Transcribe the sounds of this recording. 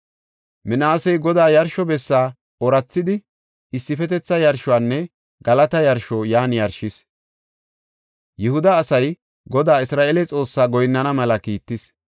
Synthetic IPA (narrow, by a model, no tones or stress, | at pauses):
mɪnaːsɛjɡɔd̪aːjɐɾʃɔbɛsːaː | ɔɾɐt͡sːɪd̪ɪ | ɪsːɪfɛt̪ɛt͡sːɐjɐɾʃʊaːnːɛ | ɡɐlɐt̪ɐjɐɾʃɔjaːnjɐɾʃɪs | jɛhʊd̪ɐːsɐj | ɡɔd̪aːɪsɾaːʔelɛt͡sʼo̞ːsːaːɡɔjnːɐnɐmɐlɐkiːt̪ːɪs